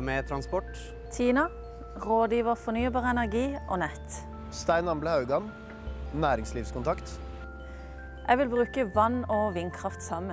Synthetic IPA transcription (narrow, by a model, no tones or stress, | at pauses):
met̪ʰɾɑnspɔʈ | t̪ʰiːnɑ | ʁoːd̪jiːʋəʁfɔnyːbɑːʁəɛnæʁɡiːʔoːnɛt̪ | st̪æɪnɑmbləhɑʉɡɑn | næːɾɪŋsliːʋskʰʊnt̪ʰɑkt̪ | ʔæɡʋɪlbʁʉːkəʋɑnoːʋɪnkʰʁɑft̪sɑmə